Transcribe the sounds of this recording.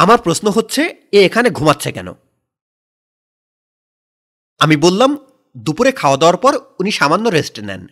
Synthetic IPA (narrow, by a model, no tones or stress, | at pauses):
amaɾpɾosnoɦotːɕʰeeekʰaneɡʱumatːɕʰekɛ̰no̰ | amibolːam | d̪upuɾekʰaoad̪eoaɾpɔɾuniʃamanːoɾesʈenɛ̰n